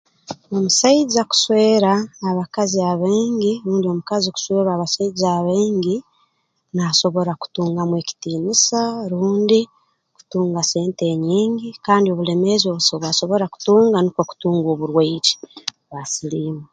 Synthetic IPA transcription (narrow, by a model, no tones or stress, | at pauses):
omusaizaku̥swe̞ːɾaːβakaziaβiːŋɡiɾuːndio̞mukaziku̥sweːɾaːβasaizaːβiːɲɡi | naso̞βo̞ɾaku̥tuːŋɡamwe̞ːci̥tiːnisaɾuːndi | ku̥tuːŋɡase̞ːnte̞ːɲiːŋɡikaːndioβule̞me̞zo̞βusoβaso̞βo̞ɾaku̥tuːŋɡanikwoku̥tuːŋɡoβuɾweid͡ʒi̥ | βasiliːme